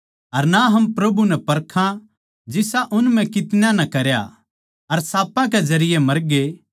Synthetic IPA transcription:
ɐɾnaɦɐmpɾɐbunɛpɐɾkʰã | d͡ʒɪsaʔʊnm̤ɛ̃kɪt̪njãnɐkɐɾja̰ | ɐɾsaːpãk̬ed͡ʒɐɾɪjemɐɾɡe

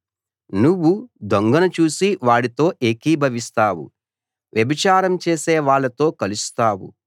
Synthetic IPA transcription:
nuʋːud̪oŋɡɐnɐt͡ʃuːsiʋaːɽit̪o̞ːʔeːkiːbʱɐʋist̪aːwṵ | ʋjɐbit͡ʃaːɾɐmt͡ʃe̞ːseːʋaːɭːɐt̪o̞ːkɐlust̪aːwṵ

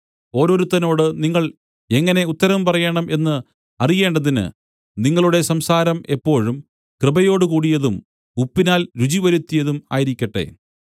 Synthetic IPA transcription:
o̞ːɾo̞ːɾut̪ːɐno̞ːɽɨniŋːɐɭ | e̞ŋːɐne̞ut̪ːɐɾɐmpɐrɐjeːɳɐmʔe̞nːɨ | ɐrije̞ːɳɖɐðinɨ̰ | niŋːɐɭuɽe̞sɐmsaːɾɐmʔe̞pːo̞ːɻum | krɨbɐjo̞ːɽɨkuːɽijɐðum | upːinaːlɾut͡ɕiʋɐɾut̪ːijɐðuma̰ːjiɾikʲːɐʈːe̞̰

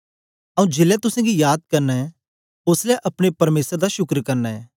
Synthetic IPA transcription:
ɐũd͡ʒeːlɛt̪ʊsãɡijaːd̪̚kɐɾnɛ | ʊslɛʔɐpɽ̃epɐɾmeːsɾd̪aʃʊkɾkɐɾnɛ

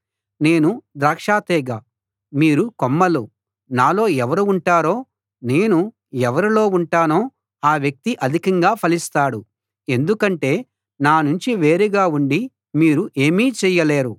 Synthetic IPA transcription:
ne̞ːnud̪ɾaːkʂaːt̪ɛːɡa | miːɾukomːɐlu | naːlo̞ːɛʋɐɾuuɳʈaːɾo̞ː | ne̞ːnu | ɛʋɐɾilo̞ːuɳʈaːno̞ː | aːʋjɐk̚t̪iʔɐd̪ʱikɐŋɡaːpʰɐlist̪aːɽu | e̞nd̪ukɐɳʈe̞ː | naːnuɲt͡ʃiʋe̞ːɾɛɡaːuɳɖi | miːɾuʔe̞ːmiːt͡ʃɛjɐle̞ːɾu

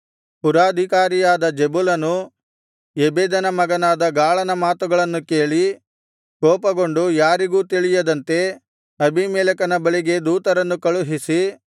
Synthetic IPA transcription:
puɾaːd̪ʱikaːɾijaːd̪ɐd͡ʒebulɐnu | ebeːd̪ɐnɐmɐɡɐnaːd̪ɐɡaːɭɐnɐmaːt̪uɡɐɭɐnːukeːɭi | kɔːpɐɡo̞ɳɖujaːɾiɡuːt̪iɭijɐd̪ɐnt̪e̞ | ɐbʱimɛːlɐkɐnɐbɐɭiɡe̞d̪uːt̪ɐɾɐnːukɐɭuɦisi

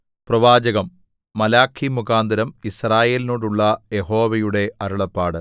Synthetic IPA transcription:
prɐʋaːd͡ʑɐɣɐmː | ɐlaːkʰːimuɣaːnd̪ɐɾɐmisraːje̞ːlnoːɽuɭːɐjeɦo̞ːʋɐjuɽe̞ɐɾuɭɐpːaːɽɨ

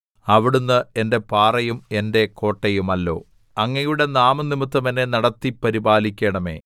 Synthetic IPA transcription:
ɐʋiɽunːɨe̞nde̞paːrɐjume̞nde̞ko̞ːʈːɐjumɐlːo̞̰ː | ɐŋːɐjuɽe̞naːmɐnːimɨt̪ːɐmɐne̞nɐɽɐt̪ːipːɐɾibaːlikʲːeːɳɐme̞̰ː

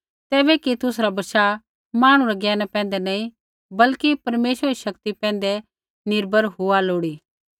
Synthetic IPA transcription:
t̪ɛːbɛkit̪ʊsɾabɐʃa | maːɽ̃ũɾaɡɛːnapɛ̃ːn̆d̪ɛnaːĩ | bɐlkipɐɾmeːʃʋəɾiʃɐkt̪ipɛ̃ːn̆d̪ɛ | nɪɾbʱəɾɦʊaloːɽiː

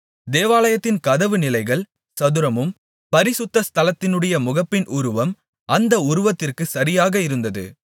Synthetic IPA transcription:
d̪eːʋaːlɐjɐt̪ːɪnkɐðɐʋɯnɪlɐɪɣɐɭ | sɐðɯɾɐmɯm | pɐɾɪsɯt̪ːɐst̪ʰɐlɐt̪ːɪnɯɽɐjɐmʊɣɐpːɪnʔʊɾʊʋɐm | ʔɐnd̪ɐʊɾʊʋɐt̪ːɪrkɯsɐɾɪjaːɣɐɪɾɯnd̪ɐðɯ̰

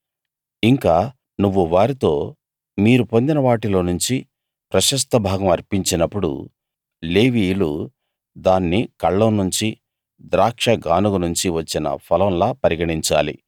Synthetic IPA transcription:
iŋkaː | nuʋːuʋaːɾit̪o̞ː | miːɾupo̞nd̪inɐʋaːʈilo̞ːnuɲt͡ʃi | pɾɐʃɐs̬t̪ɐbʱaːɡɐmɐɾpiɲt͡ʃinɐpːuɽṵ | leːʋiːlu | d̪aːnːikɐɭːɐnuɲt͡ʃi | d̪ɾaːkʂɐɡaːnuɡunuɲt͡ʃiʋɐt͡ʃːinɐ̰pʰɐlɐ̃mlaːpɐɾiɡɐɽiɲt͡ʃa̰ːlḭ

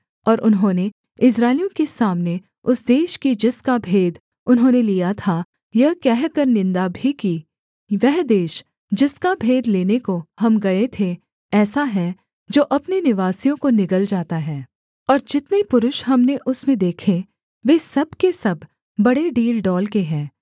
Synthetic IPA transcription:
ɔːɾʔʊnɦõːne | ɪs̬ɾaːɪlijõkesaːmne | ʊsd̪eːʃkid͡ʒɪskabʱeːd̪ | ʊnɦõːnelijat̪ʰa | jɐɦkɛɦkɐɾnɪ̃nd̪abʱiki | ʋɛɦd̪eːʃ | d͡ʒɪskabʱeːd̪leːnekoɦɐmɡɐet̪ʰe | ɛːsaɦɛ | d͡ʒoːʔɐpnenɪʋaːsijõkonɪkəld͡ʒaːt̪aɦɛː | ɔːɾd͡ʒɪt̪nepʊɾʊʃɦɐmneʔʊsmẽd̪eːkʰe | ʋeːsɐbkesɐbː | ɐɽeɖiːlɖɔːlkeɦɛ̃ː

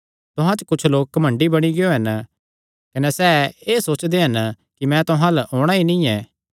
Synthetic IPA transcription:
t̪ʊɦãt͡ʃkʊt͡ʃʰloːk̚ːɐmɐ̃ɳɖibɐɽ̃iɡɪjoɦɐn | kɐnesɛːeːsoːt͡ʃd̪eɦɐn | kimɛ̃t̪ʊɦãlɐʔoːɽ̃aːinĩɛː

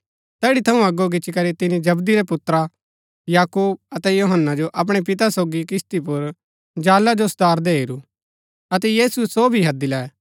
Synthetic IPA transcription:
t̪ɛːɽit̪ʰɐũɐɡoɡ̬ɪt͡ʃʰikɐɾit̪ɪnid͡ʒɐbd̪iɾɛpʊt̪ɾa | jaːkuːb̚ɐt̪ɛjoːɦənːad͡ʒoʔɐp̬ɽ̃ep̬ɪt̪asoːɡikɪst̪ipʊɾ | d͡ʒaːlad͡ʒosʊd̪aːɾd̪eːiɾuː | ɐt̪ɛjiːsusobʱiɦɐd̪ilɛɛ

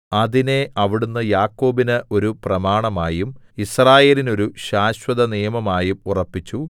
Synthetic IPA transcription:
ɐðine̞ɐʋiɽunːɐjaːkːo̞ːbinɨʔo̞ɾuprɐmaːɳɐmaːjum | israːje̞ːlino̞ɾuɕaːɕwɐðɐnijɐmɐmaːjumurɐpːit͡ɕːu

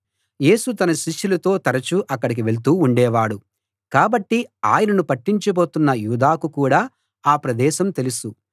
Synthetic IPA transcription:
je̞ːsut̪ɐnɐʃiʃːulɐt̪o̞ːt̪ɐɾɐt͡ʃuʔɐkːɐɽik̬iʋe̞ɭt̪uːuɳɖɛːʋaːɽu | kaːbɐʈːia̰ːjɐnɐnupɐʈːiɲt͡ʃɐbo̞ːt̪unːɐjuːd̪aːkukuːɽaː | aːpɾɐd̪ɛːʃɐmt̪e̞lusu

